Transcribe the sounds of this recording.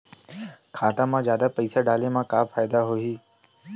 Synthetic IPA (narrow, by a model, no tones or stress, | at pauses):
kʰaːt̪ãːmãːzjaːd̪aːpəiːsaːɖaːleːmãːkaːfaːɪd̪aɦoiː